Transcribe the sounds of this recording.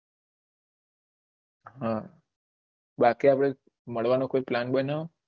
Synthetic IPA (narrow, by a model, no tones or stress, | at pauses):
ɦã | bakiapɽ̃e | məɭʋanokoiplanbənao